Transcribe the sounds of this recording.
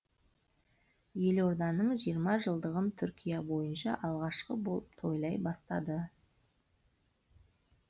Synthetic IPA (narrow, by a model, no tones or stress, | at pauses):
je̞lo̞ɾd̪ɑnəɴʒijəɾmɑʒəlˠd̪əʁənt̪ʰʏɾkʲijɑbo̞jənʃɑ̰ʔɑlˠʁɑʃqəboəpt̪ʰo̞jlˠɑjbɑst̪ɑ̰d̪ə